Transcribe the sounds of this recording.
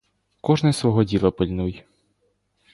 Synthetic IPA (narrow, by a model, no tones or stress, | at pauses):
kɔʒnɛsʋɔɦɔdʲilˠɐpɪlʲnuj